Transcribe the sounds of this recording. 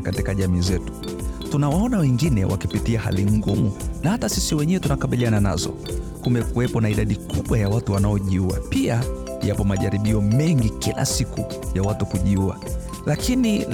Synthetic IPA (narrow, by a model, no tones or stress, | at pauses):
katikaʄamiːzɛtu̥ | tunawaɔnawɛŋɡinɛwʔa̰kipitiaha̰liŋɡumunahatasisiwɛɲɛwɛtunakaɓilianana̰zɔ̰ | kumɛkuwɛpɔnaiɗaɗikuɓwajawatuwanaɔʄiua̰pia | japɔmaʄaɾiɓiɔmɛŋɡikila̰siku | jawatukuʄiua̰ | lakini